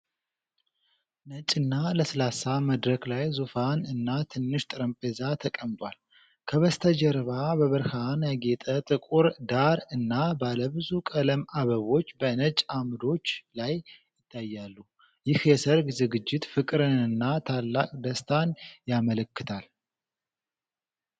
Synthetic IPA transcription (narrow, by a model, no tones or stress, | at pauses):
nət͡ʃʼːɨnːaləsɐlasaməd̪ɾəklajzufanɨnːat̪ʰɨnːɨʃt̪ʼɨɾəmpʼezat̪ʰəkʼəmt̪ʼwal | kʰəβəst̪ʰəd͡ʒɛɾβabəβəɾhanjaɡe̞t̪ʼət̪ʼɨkʼuɾd̪aɾɨnːabaləbɨzukʼələmaβəβo̞t͡ʃːbənət͡ʃʼamd̪o̞t͡ʃːlajjɪt̪ʰːajːalːu | jɪhjɛsəɾɡzɨɡɨd͡ʒːɪt̪fɨkʼɾɨnɨnːat̪ʰalːakʼd̪əst̪ʰanjamələkːɨt̪ʰal